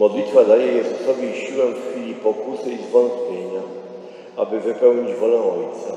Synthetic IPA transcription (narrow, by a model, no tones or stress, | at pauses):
mɔd̪lʲit̪fad̪ajɛjɛzsɔbʲjeɕiwɛmffʲilʲipɔkusɘizvɔnt̪pʲjeɲa | a̰bɘvɘpɛwɲid͡ʑvɔlɛ̃ɔjt̪sa